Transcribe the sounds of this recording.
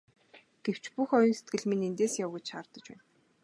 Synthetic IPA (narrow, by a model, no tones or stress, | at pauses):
ɡ̥ew̥t͡ɕpuxɔjɞ̆nse̥t̪̚ɡɘ̆ɮminent̪eːsjawɡet͡ɕʃaːrt̪ə̆t͡ɕpæ̰ːn